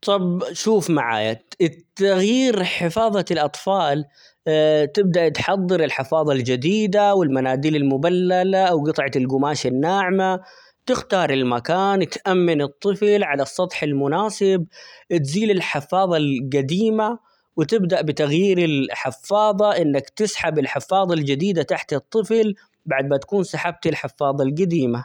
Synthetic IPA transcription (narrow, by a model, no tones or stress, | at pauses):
t̪ˤɑbʃuːfmaʕa̰ːja̰ɪtt̪ːaɣjiːɾħɪfɑːðˤɑlʔɑt̪ˤfɑːl | t̪ɪb̚d̪aʔt̪ħɑðˤːɨɾɪlħɪfɑːðˤɑld͡ʒad̪iːd̪awɪlmanaːd̪iːlɪlmʊbalːalawɡɨt̪ˤʕɑt̪ɪlɡʊmaːʃɪnːaːʕma | t̪ɪxt̪ɑːɾˤɪlmakaːnt̪ʔamːɪnɨt̪ˤːɨflʕalɑsˤːɑt̪ˤħɪlmʊnaːsɪb̚t̪ziːlɪlħɪfːɑːðˤɑlɡad̪iːma | wɪt̪ɪbd̪aʔbɪt̪aɣjiːɾɪlħɪfːɑːðˤɑʔɪnːakt̪ɪsħabɪlħɪfːɑːðˤɑld͡ʒɪd̪iːd̪at̪aħt̪ɨt̪ˤːɨfl | baʕd̪mat̪ḁkuːnsaħab̚t̪ɪlħɪfːɑːðˤɑlɡad̪iːma